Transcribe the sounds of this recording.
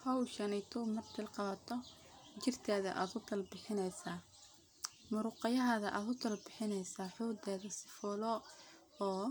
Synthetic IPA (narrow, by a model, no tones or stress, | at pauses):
hɐwʃɐnɛjt̪ʰɔmɐrt̪ʰɪlqɑβɐt̪ʰɔ | t͡ʃɪrt̪ʰɛːðɐ̰ʔa̰ːd̪ʊt̪ʰɐlbɪħɪnɛjsaː | mʊɾʊːqɑjɐɦɐðɐʔaːðʊt̪ʰɐlbɪħɪnɛjsaːħuːd̪ɛːðɐsɪ̥fɔːlɔ | ɔː